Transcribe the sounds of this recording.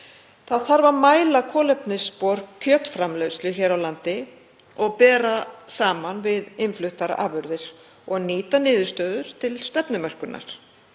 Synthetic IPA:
θaðθaɾvamaːjlakʰɔːlɛpnɪspɔɾ̥kkʰœt̪fɾamlœɥslʏçɛːɾawlant̪ɪ | ɔɣpɛːɾasaːmanvɪðɪnflʏht̪aɾa̰ʔa̰ːvʏɾðɪɾ̥ | ɔɣniːt̪anɪːðʏ̥st̪œːðʏɾ̥t̪ʰɪlst̪ɛpnʏmœr̥kʏnːʔa̰ɾ̥

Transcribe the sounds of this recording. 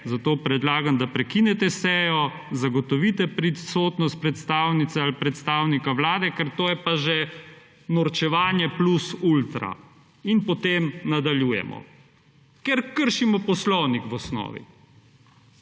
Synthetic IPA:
zat̪oːpɾɛd̪laːɡamd̪apɾɛkinɛt̪ɛsɛːjɔ | zaɡɔt̪ɔʋit̪ɛpɾisoːt̪nɔst̪̚pɾɛt̪st̪aːwnit̪sɛalipɾɛt̪st̪aːwnikaʋlaːd̪ɛkɛɾt̪oːjɛpaʒɛ | nɔɾt͡ʃɛʋaːnjɛplusult̪ɾa̰ | inpɔt̪emnad̪aljuːjɛ̰mɔ̰ | kɛɾkəɾʃimɔpɔslɔwnikʋɔsnɔ̰ːʋḭ

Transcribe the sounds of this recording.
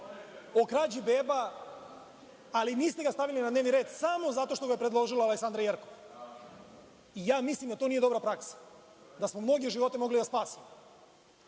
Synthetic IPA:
okɾaːd͡ʑibeba | liniːst̪eɡast̪aʋilinad̪neʋniɾed̪samo̞zat̪o̞ʃt̪o̞ɡajepɾed̪lˠo̞ʒilaaleksand̪ɾajeɾkoʋa | ijaːmislimd̪at̪onijed̪o̞bɾapɾaksḁ | d̪asmomno̞ɡeʒiʋo̞t̪emo̞ɡlid̪aspaːsimo

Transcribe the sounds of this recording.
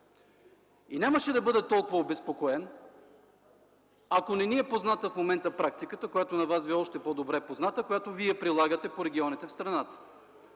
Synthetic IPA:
inʲaməʃɛd̪ɐbɤd̪ɛt̪ɔlˠkʊvəobɛspokoɛn | ɐkonɛniɛpoznat̪əfmomɛnt̪əpɾak̚t̪ikət̪əkojat̪onɐvasviɔʃt̪ɛpɔd̪obɾɛpoznat̪əkojat̪oviɛpɾilˠaɡət̪ɛpoɾɛɡʲiɔnit̪ɛfst̪ɾɐnat̪ə̥

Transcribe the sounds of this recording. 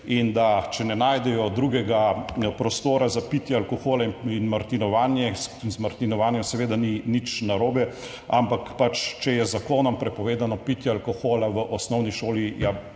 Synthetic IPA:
ind̪at͡ʃɛnɛnaːjd̪ɛjɔd̪ɾuɡɛɡapɾɔst̪oːɾazapit̪jɛalkoxoːlaiinmaɾt̪inɔʋaːnjɛsinzmaɾt̪inɔʋaːnjɔmsɛʋeːd̪aninit͡ʃnaɾoːbɛ | ampakpat͡ʃt͡ʃɛjɛzakoːnɔmpɾɛpɔʋeːd̪anɔpit̪jɛalkɔxoːlaʋəʔɔsnɔwniʃoːlija

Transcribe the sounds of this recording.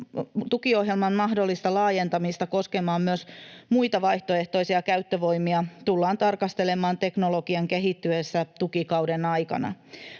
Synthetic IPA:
t̪ukio̞hje̞lmɑnmɑɦdo̞lːist̪ɑlɑːje̞nt̪ɑmist̪ɑko̞ske̞mɑːmmyøsmuit̪ɑʋɑiht̪oe̞ht̪oisiɑkæyt̪ːøʋo̞imiɑt̪ulːɑːnt̪ɑrkɑst̪e̞le̞mɑːnt̪e̞knolokiɑŋkeɦit̪ːyesːæt̪ukikɑwdenɑjkɑ̰nɑ̰

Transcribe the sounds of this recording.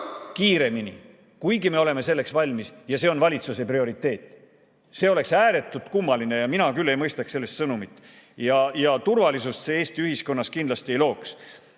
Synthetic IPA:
kiːɾe̞minḭ | kujɡime̞o̞le̞me̞se̞lːe̞ksvɑlʲmisjɑse̞ːo̞nvɑlʲit̪suseprio̞ɾit̪ːˑe̞ːt̪ˑː | se̞o̞le̞ksæːɾe̞t̪ːˑut̪kumːɑline̞jɑminɑkylːe̞jmɤjst̪ɑkse̞lːe̞st̪sɤnumit̪ːˑ | jɑjɑt̪urvɑlisust̪see̞ːst̪iyhisko̞nːɑskind̪lɑst̪ie̞jlo̞ːks

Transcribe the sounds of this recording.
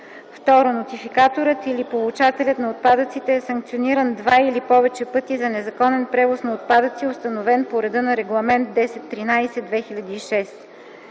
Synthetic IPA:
ft̪ɔɾonot̪ifikat̪oɾət̪ilipolˠut͡ʃat̪ɛlʲət̪nɐot̪̚pad̪ət̪sit̪ɛːsɐŋk̚t̪sioniɾənd̪vailipɔvɛt͡ʃɛpɤt̪izɐnɛzɐkɔnɛnpɾɛvosnɐot̪̚pad̪ət̪siost̪ɐnovɛnpoɾɛd̪ɤnɐɾɛɡlˠɐmɛnt̪̚d̪ɛsɛt̪ːɾinajsɛd̪vɛxilʲɐd̪iːʃɛs

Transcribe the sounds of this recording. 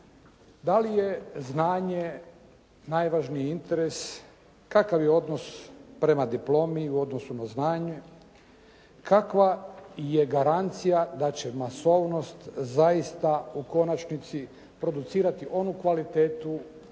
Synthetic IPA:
d̪alije̞znaːɲe | najʋaʒnijint̪e̞ɾes | kakaʋjeo̞d̪nospɾe̞mad̪iplo̞ːmiuo̞d̪no̞sunaznaːɲu | kʰakʋaje̞ɡaɾant̪sijad̪at͡ɕe̞maso̞ʋno̞st̪zaist̪auko̞nat͡ʃnit̪si | pɾo̞d̪ut̪siːɾat̪iʔo̞nukʋalit̪eːt̪u

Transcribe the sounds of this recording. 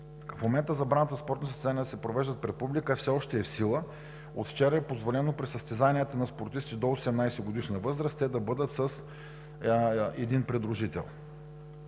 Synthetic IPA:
fmomɛnt̪əzɐbɾanət̪əspɔɾt̪nəsəsɛzanijəd̪ɐsɛpɾovɛʒd̪ət̪̚pɾɛt̪̚publikəfsɛɔʃt̪ɛːfsilˠə | ot̪ft͡ʃɛɾəɛpozvolɛnopɾɛsəst̪ɛzaniət̪ənɐspoɾt̪ist̪id̪oːsɛmnajsɛɡod̪iʃnɐvɤzɾəst̪ɛd̪ɐbɤd̪ət̪səs | ɛd̪inpɾɛd̪ɾʊʒit̪ɛ̰lˠ

